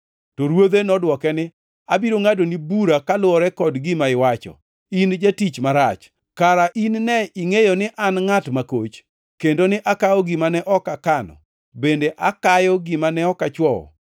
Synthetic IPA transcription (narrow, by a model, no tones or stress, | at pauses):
tɔɾwod̪enɔdwɔkɛnɪ | abiɾoŋadonibuɾakalʊɔɾɛkɔdɡɪmaɪwat͡ʃɔ̰ | ind͡ʒatit͡ʃmaɾat͡ʃ | kaɾaʔinnɛiŋejonɪʔanŋatmakot͡ʃ | kendonɪʔakaɔɡɪmanɛʔɔkakanɔ̰ | bendeʔakajɔɡɪmanɛɔkat͡ʃwɔɔ̰